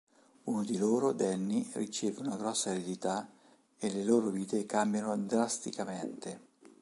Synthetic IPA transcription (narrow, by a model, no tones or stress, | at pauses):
uːnod̪iloːɾod̪ɛnːirit͡ʃeːveunaɡɾɔsːaeɾed̪it̪a | eleloːɾoviːt̪ekambjanod̪ɾast̪ikament̪e